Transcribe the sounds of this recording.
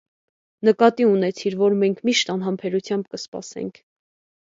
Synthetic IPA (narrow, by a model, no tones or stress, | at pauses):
nəkɑt̪iunɛt͡sʰiɾvɔɾmɛŋkʰmiʃt̪ɑnɦɑmpʰɛɾut͡sʰjɑmbkəspɑ̰sɛ̰ŋkʰ